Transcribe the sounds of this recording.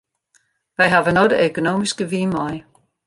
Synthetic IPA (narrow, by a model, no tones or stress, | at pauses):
ʋæɪɦɑʋənodˠæøkʰono̝̰ːmisɡ̥əʋiːmɒɪ